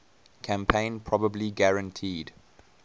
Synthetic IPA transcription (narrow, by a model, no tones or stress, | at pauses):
kʰæ̃mpʰẽɪ̃npʰɹɔbəbliɡaɹə̃ntʰiːd